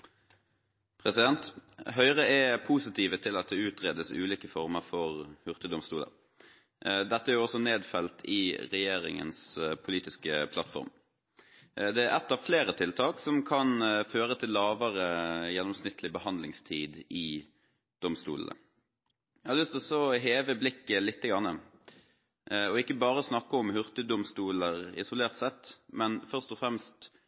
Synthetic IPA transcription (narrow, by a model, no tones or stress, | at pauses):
pʰʁɛsɪd̪ɛnt̪ɦœʏʁəɛpʰuːsɪt̪ʰiːʋət̪ʰɪlɑt̪̚d̪ɛʉːt̪ʁeːd̪əsʉ̰ːliːkəfɔʁməʁfɔʁhʉʁt̪əd̪ɔmst̪uːlə̰ɾ | d̪ɛt̪ːəæɾjʊɔsɔneːd̪fɛlt̪ʰɪʁɛjeːɾɪ̰ŋə̰nspʰʊliːt̪ɪskəpʰlɑt̪fɔ̰ʁm | d̪ɛæɾɛt̪ːɑːʋfleːɾət̪ʰɪlt̪ʰɑːksɔmkʰɑnføːɾət̪ʰɪlːɑːʋəʁəjɛnːɔmsnɪt̪ːʰlɪbəhɑnd̪lɪŋst̪ʰiːd̪ɪ | d̪̥ɔmst̪ṵːlə̰nə̰ | jæhɑɾlʏst̪ɔsɔɦeːʋəblɪkːəlɪt̪ːəɡɾɑnːə | ɔɪkːəbɑːʁəsnɑkːəɔmhʉʁt̪əd̪ʊmst̪uːləʁɪ̰sʊleːʁt̪sɛt̪ːmɛnfœʁʂt̪ɔfɾɛmst̪